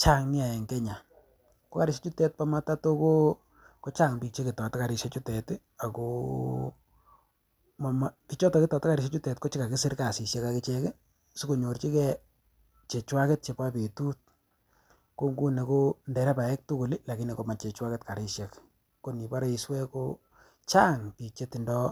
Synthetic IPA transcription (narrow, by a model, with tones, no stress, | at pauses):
t͡ʃa˦ŋnɪ˦a˨ɛ˨ŋkɛ˦ɲa˨ | ko˦ka˦ɾɪ˦ʃja˦t͡ʃu˦tɛ˦t̚pa˦ma˦ta˦to˦ko˦ | ko˦t͡ʃa˦˨ŋbi˨k̚t͡ʃe˦ki˨tɔ˨tka˨ɾɪ˨ʃe˦t͡ʃu˦tɛ˨t | a˨ko˦ | ma˨ma˨pi˨˦t͡ʃɔ˦tɔ˨kɪ˦tɔ˨tɪ˦ka˨ɾɪ˨ʃ̬e˦t͡ʃu˦tɛ˨tko˦t͡ʃi˦ka˨kɪ˦sɪ˦ɾka˨si˨sje˦ka˨kɪ˦t͡ʃɛ˦kɪ˦ | su˦ko˨ɲo˨rt͡ʃi˦kɛ˦ | t͡ʃe˨t͡ʃwa˦kɛ˦t̚t͡ʃe˨pa˦pe˨tu˦t̚ | ko˦ŋɡu˦ne˨ko˦ndɛ˨ɾɛ˦pa˨ɛ˦k̚tu˦ku˨li˦la˨ki˦ne˨ko˨ma˨t͡ʃe˨t͡ʃwa˦kɛ˦tka˨ɾɪ˦ʃja˨k | ko˦ni˨pa˦ɾe˦i˨swɛ˦ko˦ | t͡ʃa˦ŋpi˨k̚t͡ʃe˦ti˨ndɔ˦